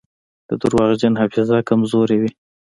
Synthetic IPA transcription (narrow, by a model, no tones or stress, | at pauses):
d̪̥əd̪ʊɾwɑɣd͡ʒanhafɪzɑkamzoɾewi